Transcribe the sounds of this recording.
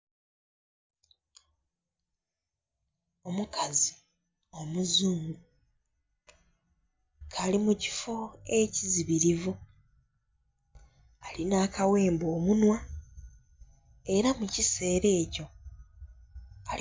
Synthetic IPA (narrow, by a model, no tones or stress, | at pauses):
o̞mukazi | o̞muzuːŋɡu | kʰalimucifo̞e̞ciziβiɾivu | alinaːkawe̞ːmbo̞ːmunwa | e̞ɾamucise̞ːɾe̞ːco̞ | a